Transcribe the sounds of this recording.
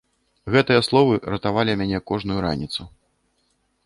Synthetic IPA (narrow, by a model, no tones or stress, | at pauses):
ɣɛt̪ɨjɐslˠɔvɨɾɐt̪avalʲimʲanʲɛkɔʐnujuɾa̰nʲit̪su